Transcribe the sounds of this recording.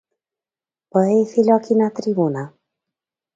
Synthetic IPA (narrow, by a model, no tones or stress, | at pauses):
pəefilɔkinat̪ɾibona